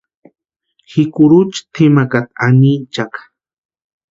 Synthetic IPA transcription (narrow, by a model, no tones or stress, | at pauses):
xikʊɾut͡ʃt̪ʰɪmakat̪anit͡ʃakḁ